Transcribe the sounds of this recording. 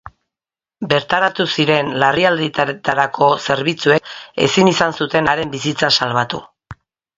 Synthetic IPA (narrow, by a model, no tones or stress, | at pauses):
be̞ɾt̪aɾat̪usiɾe̞nlariald̪it̪at̪aɾakʰo̞se̞ɾβ̞it͡sue̞e̞̰sinisansut̪e̞naɾe̞mbisit͡sasalβat̪ṵ